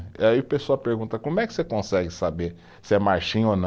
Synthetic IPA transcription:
aiʊpesoawpeɾɡũnt̪ɐkõmʊɛkɪ̥sekõsɛɡɪsabeɾ | sɪɛmaɾʃĩɲ̃onɐ̃

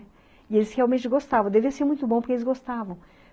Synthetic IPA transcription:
ɪelɪsheawmẽnt͡ʃɪɡost̪avɐ̃d̪eviɐseɾmũj̃t̪ʊbõp̬ʊɾkelɪzɡost̪avɐ̃w̃

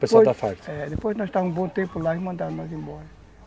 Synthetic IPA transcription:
pɐspojd̪afaɾt̪ɛd̪epojznɔʃt̪aũbõt̪ẽmpulaimɐ̃nd̪aɾnɔzẽbɔɾɐ

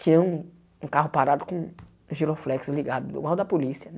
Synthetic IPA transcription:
t͡ʃĩɲɐ̃ũ | ũkaɦʊpaɾad̪ʊkõ | ʒiloflɛksliɡad̪ʊḭɡwawd̪ɐpolisiɐ

